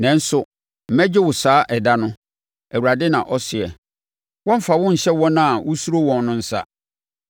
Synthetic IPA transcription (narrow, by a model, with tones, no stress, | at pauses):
nɛ̃˨n̩˦sʊ˨ | m̩˦mɛ˦d͡ʑɪ˦wʊ˨saː˦ʔɛ˨da˦nʊ̃˦ | æ˨wu˨ɾa˨dɪ˦nã˨ʔɔ˦sɪ˨ɛ˨ | wɔ̃˦m̩˦fa˨wʊ̃˦ɲ̩˨ɕɛ˦wɔ̃˦nã˨wʊ˦su˦o˦wɔ̃˨nnʊ̃˦n̩˨sa̰˦